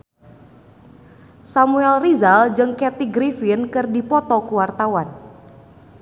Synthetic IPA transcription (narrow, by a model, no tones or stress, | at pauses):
samuɛlrizald͡ʒɨŋkɛt̪iɡɾifɪnkɨrdipɔt̪ɔkuwart̪awan